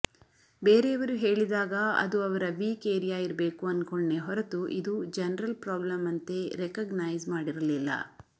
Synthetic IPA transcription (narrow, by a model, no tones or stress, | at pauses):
beːɾeɐʋɐɾuɦe̞ːɭid̪aːɡɐɐ̰d̪uɐʋɐɾɐʋiːkeːɾijaːiɾɐbe̞ːkuɐnːkoɳneɦɔɾɐt̪uʔid̪ud͡ʒɛnɐɾɐlpɾaːblɐmɐnt̪e̞ɾekɐɡnajzmaːɽiɾɐlilːɐ̰